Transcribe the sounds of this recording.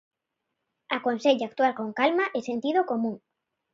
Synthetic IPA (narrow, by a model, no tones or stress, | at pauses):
akonseʎakt̪walkoŋkalmaʔesent̪ið̞okomũŋ